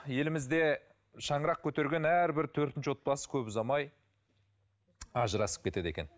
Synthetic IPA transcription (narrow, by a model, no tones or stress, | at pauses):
je̞lɪmɪzd̪e̞ | ʃɑɴəɾɑq̚kʲʰɵt̪e̞ɾɡʲe̞næɾbɪɾt̪ʰɵɾt̪ɪnt͡ʃɪwo̞t̪̚bɑsə̥kʲʰɵpɪzɑmɑj | ɑʒəɾɑsə̥p̚kʲe̞t̪e̞d̪e̞kʲen